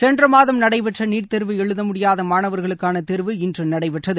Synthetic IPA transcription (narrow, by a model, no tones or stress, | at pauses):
sɛndrɐmaːðɐmnɐɽɐɪpɛʈrɐniːʈt̪ɛɾʋɯɛɻɯðɐmʊɽɪjaːðɐmaːnɐʋɐɾɣɐɭɯkːaːnɐt̪ɛɾʋɯɪndrɯnɐɽɐɪpɛʈrɐðɯ